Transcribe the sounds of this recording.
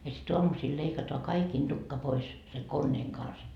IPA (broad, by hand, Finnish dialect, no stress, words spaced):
jɑ sit oɑmusiːl leikɑtoɑ kɑikiːn d̥ukːɑ pois seŋ konːeːŋ kɑns